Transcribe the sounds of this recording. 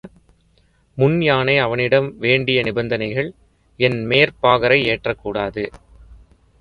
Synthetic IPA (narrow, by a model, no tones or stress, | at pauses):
mʊnjaːneɪɐʋɐnɪɽɐmʋeːɳɖɪjɐnɪbɐnd̪ɐnɐɪɣɐɭ | ɛnmeːɾpaːɣɐɾɐɪeːʈrɐkːuːɽaːðɯ